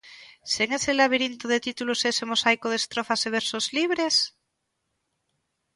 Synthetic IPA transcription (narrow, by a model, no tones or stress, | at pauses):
seŋeselaβ̞iɾint̪oðet̪it̪ulosesemosajkoðest̪ɾofaseβ̞eɾsozliβɾes